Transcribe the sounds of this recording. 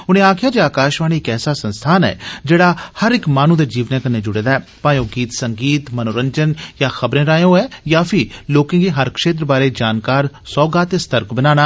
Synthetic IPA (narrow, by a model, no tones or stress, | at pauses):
ʊnẽːaːkʰɪjaːd͡ʒeːaːkaːʃʋaːniɪkɛːsaːsə̃nst̪ʰaːnɛ̰ːd͡ʒeːɽaːhəɾɪkmaːnũːd̪eːd͡ʒiːʋnẽːkəneːd͡ʒʊɽeːd̪aːɛːpãːjõːɡiːt̪səŋɡiːt̪mənoːɾəɲd͡ʒənjaːxʰəbɾẽːɾaːẽõɛːjaːpʰɪloːkẽːɡiːɦəɾkʃeːt̪ɾəbaːɾeːd͡ʒaːnkaːɾsɔːɡaːt̪est̪əɾkbənaːnaː